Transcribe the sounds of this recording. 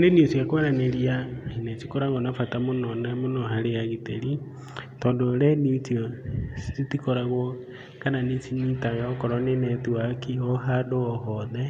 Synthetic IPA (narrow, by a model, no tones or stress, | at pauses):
oneniosijakwɾaneliainet͡ʃikoɾaŋɣɡonafatamonɔnemonɔɦaɾejaɣiteɾi | tɔːndolɛnitiosi̥itikoɾaɣɔ | kananit͡ʃiɲitajakɔɾɔnenɛtuakiɔɦadoɔɦɔðe